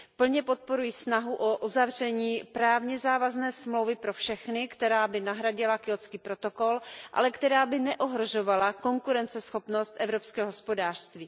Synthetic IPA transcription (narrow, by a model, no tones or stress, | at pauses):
pl̩ɲɛpo̞t̪̚po̞ɾujiːsnaɦuʔoʔuzavr̝ɛɲiːpɾaːvɲɛzaːvaznɛːsmlowvɪpɾo̞fʃɛxnɪkt̪ɛɾaːbɪnaɦɾaɟɪlakɪot͡skiːpɾo̞t̪o̞ko̞lʔa̰lɛkt̪ɛɾaːbɪnɛʔoɦɾoʒo̞valako̞ŋkuɾɛnt͡sɛsxo̞pno̞st̪ʔɛvɾopskɛːoɦospo̞daːr̥st̪viː